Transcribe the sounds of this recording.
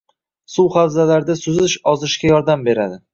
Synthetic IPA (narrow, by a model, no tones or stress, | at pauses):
sʊwχawzalaɾd̪asʊzɪʃɒzɪʃkʲajɒɾd̪ambe̞ɾad̪ɪ